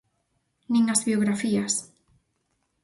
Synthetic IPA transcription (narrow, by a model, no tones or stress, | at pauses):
nĩŋazβjoɣɾafias